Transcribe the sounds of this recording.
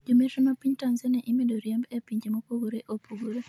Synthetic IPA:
d͡ʒometonopiɲtanzɛnɛʔimedoɾjɛmbepiɲd͡ʒemopuɡoɾeʔopuɡuɾe

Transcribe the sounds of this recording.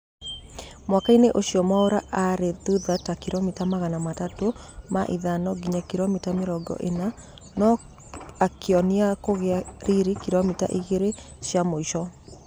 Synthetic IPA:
mwakaineʔoɕiɔmaoɾaʔaɾetuðatakiɾomitamaɣanamatatomaʔiðanɔɡiɲakiɾɔmitameɾɔɡɔ̰ʔena | nɔ | akʰeɔniakoɣeaɾiɾikiɾɔmita̰ʔiɣeɾeʃjamoiʃɔ

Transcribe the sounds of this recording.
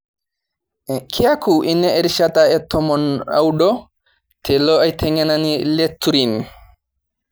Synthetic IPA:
kʰiakuʔinɛɛɾʃataɛtːɔmɔna̰wɗɔ | tʰɛlɔajt̪ʰɛŋananiletːuɾin

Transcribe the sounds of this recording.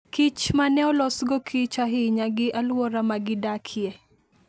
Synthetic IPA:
kit͡ʃmanɛɔlɔsɡɔkʰit͡ʃaɦɪɲaɡɪʔalwɔɾamaɡɪdakʰjɛ

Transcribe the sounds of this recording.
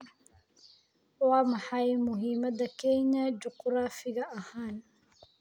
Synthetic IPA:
wɑːmɑħɑjmʊɦiːmɐd̪ɐkʰɛɲɐd͡ʒʊqɾaːfɪɣɐʔɐhaːn

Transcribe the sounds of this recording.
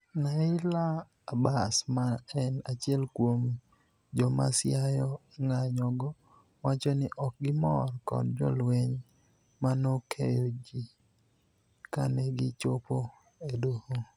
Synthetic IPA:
naɪlaː | basmaɛnat͡ʃɛlkwom | d͡ʒɔma̰sjajɔ | ŋaɲɔɡɔ | wat͡ʃɔnɪʔɔk̚ɡɪmɔrkɔ̰nd͡ʒɔ̰lweɲ | manokʰejɔd͡ʒi | ka̰nɛɡɪt͡ʃopo | edoho

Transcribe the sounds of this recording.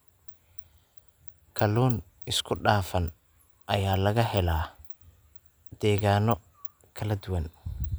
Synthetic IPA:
kʰɐlɔːn | ɪskʰʊɖaːfɐn | ʔɐjaːlɐɣɐhɛlaː | d̪̥ɛːɣaːnɔ | kʰɐlɐd̪ʊwɐn

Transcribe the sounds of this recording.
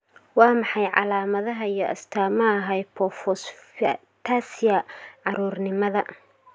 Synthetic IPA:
wɑːmɑħɑjʕɑ̰laːmɐðɐɦɐijɞʔɐ̰st̪ʰaːmɐːɦɐjpʰɔfɔs | t̪ʰaːsɪjɐʕɑɾuːrnɪmɐðɐ

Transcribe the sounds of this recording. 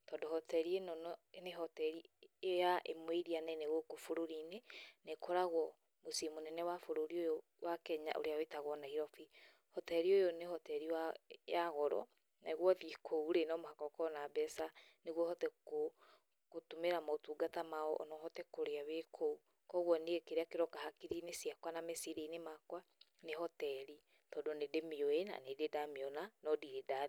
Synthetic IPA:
tɔndɔhɔtɛɾienɔnɔeneɦɔtɛɾijaʔemweiɾianɛneɣokofoɾoɾinenekʰɔɾaɣwɔ | mosimonɛnɛwafoɾoɾiojo | wakɛɲa̰ʔo̰ɾeawetaɣɔnahiɾɔfi | hɔtɛɾiojonehɔtɛɾiajaɣɔɾɔ̰ | neɣwɔðikʰouɾenɔmohakɔkɔnabɛsaneɣwɔhɔtɛko | kotumeɾamaotuːɡatamaɔʔɔ̰nɔhɔtɛkoɾeawekʰou | kɔɣwɔneekeɾeakeɾɔkaɦakiɾinesiakwanamesiɾeinemakwanehɔtɛɾi | tɔdonedemeoena̰nededameɔnanɔdiɾeda

